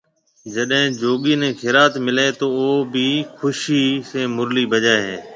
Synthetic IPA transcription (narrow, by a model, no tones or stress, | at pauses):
d͡ʒəɗɦẽːd͡ʒoːɠiːnẽːkʰɪɾaːt̪mɪleːt̪oːoːbʱiːxʰʊʃiːseːmʊɾliːbʱəd͡ʒaːeɦẽː